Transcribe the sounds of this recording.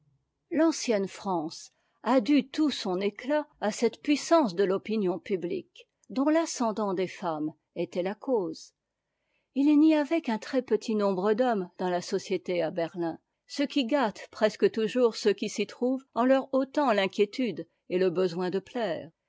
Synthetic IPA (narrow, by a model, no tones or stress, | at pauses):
lɑ̃sjɛnfχɑ̃s | ad̪yt̪usɔ̃neklaasɛt̪pɥisɑ̃sd̪əlɔpinjɔ̃pyblḭk | d̪ɔ̃lasɑ̃d̪ɑ̃d̪efam | ɛt̪ɛlakʰoːz | ilniavɛkɛ̃t̪χɛpət̪ʰinɔ̃bʁəd̪ɔmd̪ɑ̃lasɔsjet̪eabɛʁlɛ̃ | səkʲiɡat̪pχɛskət̪uʒuʁsəkʲisit̪χuvɑ̃lœʁot̪ɑ̃lɛ̃kʲjet̪yd̪ | eləbəzwɛ̃d̪əplɛːʁ